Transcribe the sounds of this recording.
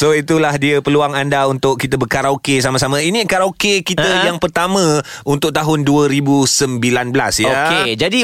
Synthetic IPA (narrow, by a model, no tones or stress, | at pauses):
soit̪ulahdiəpəluaŋandaunt̪ʊʔkit̪əbərkaɾaukes̬amasamãinĩkaɾawkekit̪əjaŋpərt̪amə̃ | unt̪ʊʔ̚t̪aɦʊnduəɾibusəmbilanbəlasjoked͡ʒadi